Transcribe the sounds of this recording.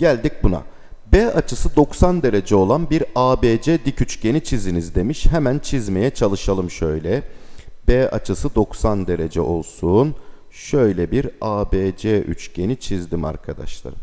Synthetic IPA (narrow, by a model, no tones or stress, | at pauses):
ɟælʲd̪ic̚buna̰ | bɛːat͡ʃʰɯsɯd̪o̞ksand̪e̞ɾe̞d͡ʒɛo̞lˠanbiɾaːbeːd͡ʒɛd̪icyt͡ʃɟe̞nit͡ʃʰizd̪inizd̪e̞miʃɦemænt͡ʃʰizme̞jɛt͡ʃʰalˠɯʃalˠɯmʃø̞jlʲɛbɛa̰t͡ʃʰɯsɯd̪o̞ksand̪e̞ɾe̞d͡ʒɛʔo̞̰lˠsuːn | ʃø̞jlʲɛbiɾaːbeːd͡ʒɛʔy̰t͡ʃɟe̞nit͡ʃʰizd̪ima̰ɾkʰad̪a̰ʃlˠa̰ɾɯ